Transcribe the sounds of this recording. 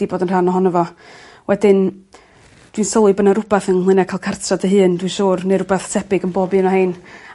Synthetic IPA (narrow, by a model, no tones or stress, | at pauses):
iboːdənr̥anɔɦɔnəvɔ | wʔɛdɪn | d̥winsɔlˠɨbənaɾʊbaθənhlˠɨnakʰajlˠkʰartʰradəɦɨːndwinʃuːrneɾʊbaθtʰɛbɪɡənbɔbɨnahen